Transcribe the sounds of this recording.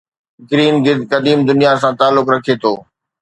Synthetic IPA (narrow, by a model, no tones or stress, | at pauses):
ɡɪɾiːnɡɪd̪kɐd̪iːmd̪ʊnijasãt̪aːlːʊkɾɐkʰet̪ʰoː